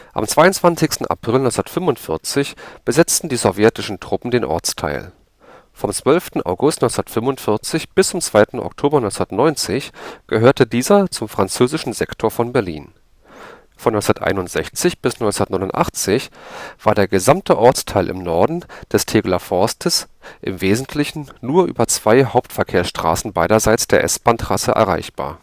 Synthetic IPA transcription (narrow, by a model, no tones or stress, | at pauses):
ʔa̰mt͡sv̥aɪʊnt͡sv̥ant͡sɪçstn̩ʔa̰pʁ̥ɪlnɔʏt͡ssndɐtfʏmvʊntfɪɐt͡sɪçb̥əzɛt͡stn̩diːzɔvjɛtɪʃn̩tʁ̥ʊpm̩deːnʔɔ̰ɐt͡stʰa̰ɪl | fɔmt͡sv̥œlftn̩ʔa̰ʊɡʊstnɔnt͡snɐtfʏmʊntfɪɐt͡sɪçb̥ɪst͡sʊmt͡sv̥aɪtn̩ʔɔ̰ktʰoːbɐnɔʏnsnɐtnɔʏnt͡sɪçɡ̥əɦøːɐtədiːzɐt͡sʊmfʁ̥ant͡søːzɪʃn̩zɛktʰoːɐfɔnbɛɐlḭːn | fɔnɔsnɐtʔa̰ɪnʊntz̥ɛçt͡sɪçb̥ɪsnɔʏnt͡snɐtnɔɪnʊntʔa̰χt͡sɪçv̥aːɐdeːɐɡəzamtʰəʔɔɐt͡stʰaɪlʔɪ̰mnɔɐdn̩d̥ɛstʰeːɡlafɔɐstʰəs | ʔɪ̰mveːzn̩tʰlɪçn̩nuːɐʔy̰ːbɐt͡sv̥aɪɦaʊptfɛɐkʰeːɐsʃtʁ̥a̰ːsn̩baɪɾɐzaɪt͡sd̥eːɐʔɛ̰sb̥antʁasə̰ʔɛ̰ɐʁa̰ɪçb̥a̰ːɐ